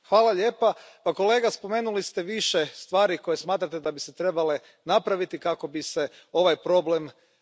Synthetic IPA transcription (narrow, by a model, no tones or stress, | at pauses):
xʋaːlˠaʎe̞ːpapako̞le̞ːɡaspo̞me̞ːnulist̪e̞ʋiʃest̪ʋaːɾiko̞jesmaːt̪ɾat̪e̞d̪abiset̪ɾe̞bale̞ | napɾaʋit̪ikako̞bise | o̞ʋajpɾo̞ble̞m